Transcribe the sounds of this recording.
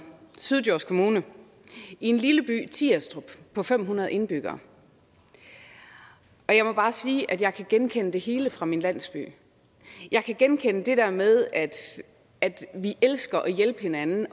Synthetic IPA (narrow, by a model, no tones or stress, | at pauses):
syð̞ˠd̥jɒ̰ːskʰo̝muːnə | ienliləb̥y̰ːt͡sʰiæsd̥ʁub̥pʰːɒ̽fem̰ɦunɐðˠe̝nb̥yɡ̥ɐ̰ː | ɒ̽jɑ̈ɪmɒb̥ɑ̈ːsiːʔæd̥jɑ̈ɪkʰæɡ̥enkʰenəd̥e̝he̝ːləfʁɑ̈minlæn̰sb̥y̰ː | jɑ̈ɪkʰæɡ̥enkʰenəd̥e̝d̥æɐmeð̞ˠæd̥ | æd̥ʋiʔelsɡ̥ɐʔɒjelb̥əhe̝nænn̩